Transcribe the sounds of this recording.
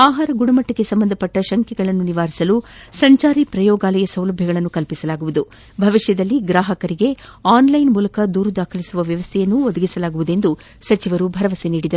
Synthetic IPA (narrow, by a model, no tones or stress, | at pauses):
aːɦaːɾɐɡuɽɐmɐʈːɐkːe̞sɐmbɐnd̪ɐpɐʈːɐʃɐŋkɛɡɐɭɐnːuniʋaːɾisɐlusɐɲt͡ʃaːɾipɾɐjɔːɡaːlɐjɐsɐwlɐbʱjɐɡɐɭɐnːukɐlpisɐlaːɡuʋud̪u | bʱɐʋiʂʃjɐd̪ɐlːiɡɾaːɦɐkɐɾiɡe̞aːnlɐjnmuːlɐkɐd̪uːɾud̪aːkʰɐlisuʋɐʋjɐʋɐst̪ʰɛjɐnːuod̪ɐɡisɐlaːɡuʋud̪e̞nd̪u | sɐt͡ʃiʋɐɾubʱɐɾɐʋɐseniːɽid̪ɐɾu